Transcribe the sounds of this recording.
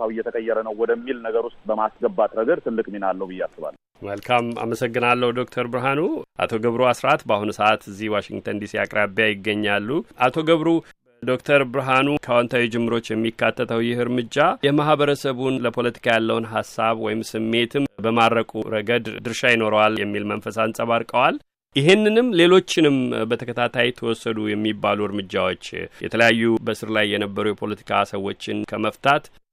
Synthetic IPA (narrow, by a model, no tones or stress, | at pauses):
awɨjːɛt̪ʰəkʼəjːɛɾənəwwɔd̪əmːilnəɡəɾust̪ʼbəmasɡəbat̪ʼɾəɡəɾt̪ʰɨlːɨkʼminalːəhbɨjːɛasɨβa̰lː | məlkʰama̰məsəɡːɨnalːəhud̪o̞k̚t̪ʰəɾbɨɾɦanuʔa̰t̪ʰo̞ɡəβɾuasɾat̪bahunsəʔat̪ɨzːihwaʃɪŋɡt̪ʰənd̪isiakʼɾabjajɪɡːəɲːalːuʔat̪ʰo̞ɡəβɾu | d̪o̞kt̪ʰəɾbɨɾɦanukʰəwɔnt̪ʰawid͡ʒɪmːɨɾo̞t͡ʃːjɛmːikʰːat̪ʰːət̪ʰəwjɪhɨɾmɨd͡ʒajɛmaɦbəɾəsəβunləpʰo̞lət̪ʰi̥kʰajalːəwnɦasːaβwɔjɪmsɨmːe̞t̪ʰɨmbəmaɾɾəkʼuɾəɡəd̪d̪ɨɾʃajino̞ɾəwaljɛmːilmənfəsaɨnsʼaβaɾkʼəwal | jɪɦenːɨnɨmle̞lo̞t͡ʃːɪnɨmbət̪ʰəkʰət̪ʰat̪ʰajɛt̪ʰəwɔsːəd̪ujɛmːibːaluɨɾmɨd͡ʒːawo̞t͡ʃːjɛ̰t̪ʰələjajːubəsɨɾlajːɛnəbːəɾujɛpʰolət̪ʰi̥kʰasəwo̞t͡ʃːɪnkʰəməft̪ʰat̪